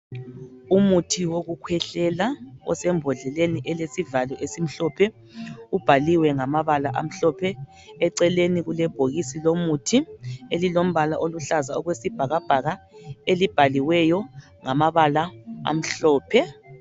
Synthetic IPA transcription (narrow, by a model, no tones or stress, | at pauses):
umutʰiwoɣukʰwɛɬɛlaɔ̰sɛmbʱɔɮɛleniʔɛlesivalɔʔesim̩ɬɔːpʰɛ | ub̥ʱaliwɛŋamaβalaʔa̰m̩ɬɔpʰɛ | ɛǀɛleniɣulɛb̥ʱoɣisilomutʰielilom̩βalaʔoluɬazaɔɣwesib̥ʱaɣab̥ʱaɣaelib̥ʱaliwɛjɔ | ŋamaβalaa̰m̩ɬɔːpʰɛ